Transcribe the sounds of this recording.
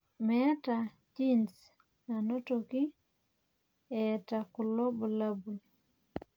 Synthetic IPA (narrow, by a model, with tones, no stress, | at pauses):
mɛ˦ta˨ | t͡ʃi˦ns | a˨no˦to˨ki˦ | ɛ˨ta˨kʊ˨lo˦bu˨la˦bu˨l